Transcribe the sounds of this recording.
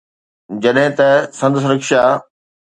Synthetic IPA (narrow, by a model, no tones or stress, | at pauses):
d͡ʑɐɗɦɪ̃t̪ɐsɐ̃nd̪əs̬ɾɐkʃa